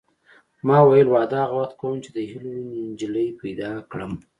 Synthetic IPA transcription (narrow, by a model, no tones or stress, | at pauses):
mɑwajəlwɑd̪ɑɣawaxt̪̚kawəmt͡ʃed̪əhilonind͡ʒiləjpajd̪ɑkɽəm